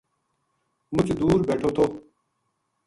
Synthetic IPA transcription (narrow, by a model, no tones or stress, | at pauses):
mʊt͡ʃd̪uːɾbeːʈʰoːt̪ʰoː